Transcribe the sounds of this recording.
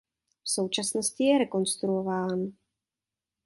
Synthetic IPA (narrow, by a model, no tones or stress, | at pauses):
fso̞wt͡ʃasnoscɪjɛɾɛko̞nst̪ɾuovaːn